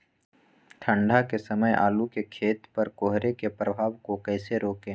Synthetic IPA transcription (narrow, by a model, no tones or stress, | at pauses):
ʈʰə̃ɳɖʱakesɐməjʔa̰ːlukekʰeːt̪pɐɾkoːɦɾekepɾəbʱaːʋkokɛːseɾoːkẽː